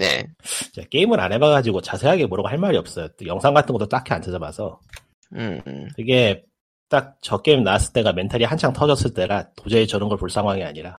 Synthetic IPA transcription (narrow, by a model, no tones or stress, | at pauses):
ne̞̰t͡ɕak͈e̞imɯɾa̰ne̞baɡad͡ʑiɡot͡ɕasʰe̞ɦaɡe̞moɾɯɡoɦaɭmaɾiʌp̚s͈ʌjotojʌŋsʰaŋɡatʰɯnŋɡʌt͈ot͈akʰiant͡ɕʰɯd͡ʑama̰sʰʌ | kɯɡe̞ | t͈ak̚t͡ɕʌk͈eimnaas͈ɯɭt͈e̞ɡame̞ntʰaɾihant͡ɕʰaŋtʰʌd͡ʑʌs͈ɯɭt͈e̞ɾatod͡ʑeːt͡ɕʌnɯnɡʌɭpoɭs͈ʰaŋɦwaŋia̰ɲiɾa